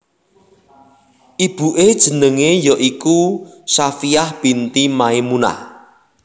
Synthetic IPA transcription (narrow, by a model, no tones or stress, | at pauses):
ʔib̥uʔed̥ʒ̥ə̤nəŋejɔʔikusafiahb̥int̪imaimuna̰h